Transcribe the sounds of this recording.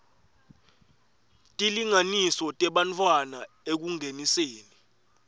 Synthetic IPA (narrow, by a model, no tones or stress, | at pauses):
tʼiliŋanisɔtʼɛɓant͡fʰwana | ek̬uŋeniseːni